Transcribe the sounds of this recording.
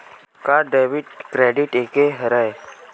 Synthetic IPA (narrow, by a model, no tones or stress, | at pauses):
kaɖeːʋɪɖkɾeːɖɪʈeːkeɦəɾae